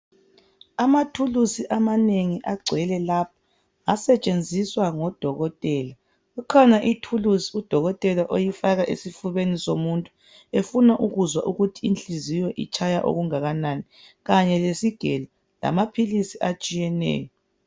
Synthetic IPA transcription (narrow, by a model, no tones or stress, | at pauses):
amatʰulusiʔamaneŋiʔaɡ͡ǀʱɛlɛlap̚ʰḁ | asɛt͡ʃʼend͡zʱiswaŋɔd̥ʱɔɣɔtʼɛːla | ɣukʰɔnaʔitʰulusiud̥ʱɔɣɔtʼɛlaʔojifaɣaʔesifuβenisomuntʼu̥ | efunaʔuɣuzwa̰ʔuɣutʰiːnt͡ɬʼizijɔʔḭt͡ʃʼʰajaʔo̰ɣuŋaɣanani | ɣaɲɛlesiɡ̥ʱɛla | la̰mapʰilisiʔat͡ʃʼijɛnɛ̰ːjɔ